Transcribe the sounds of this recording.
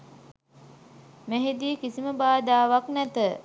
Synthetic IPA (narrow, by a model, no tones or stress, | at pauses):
meɦid̪iːkisiməbaːd̪aːʋaknæt̪ə